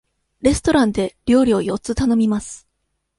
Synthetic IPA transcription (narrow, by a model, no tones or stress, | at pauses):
ɾe̞sɨ̥t̪o̞ɾãnd̪e̞ɾʲo̞ːɾʲio̞ːjo̞t͡sɨt̪ano̞mʲimasɨ̥